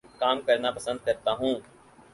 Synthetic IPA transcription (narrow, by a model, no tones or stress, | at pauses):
kaːmkɐɾnapɐsə̃nd̪̚kɐɾt̪aɦũː